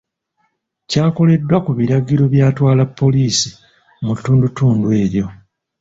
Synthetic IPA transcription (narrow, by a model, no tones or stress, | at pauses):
caːko̞le̞dːwakuβiɾaɡiɾo̞βjaːtwaːlapːo̞liːsi | mutːuːndutuːndwe̞ːɾjo̞